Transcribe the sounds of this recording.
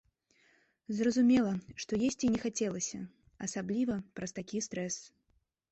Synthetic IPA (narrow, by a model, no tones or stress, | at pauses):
zrɐzumʲɛlˠɐʂt̪ɔjesʲt͡sʲinʲɛxat͡sʲɛlˠɐsʲɐ̰ | ɐsablʲivɐpɾɐst̪akʲist̪ɾɛs